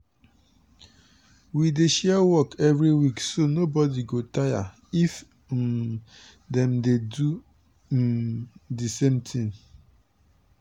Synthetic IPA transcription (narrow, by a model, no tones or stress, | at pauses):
wideʃɛwɔkʰɛvɹiwiksonobɔdiɡotaja̰ | if | dɛ̃mdedu | disẽmtʰĩŋ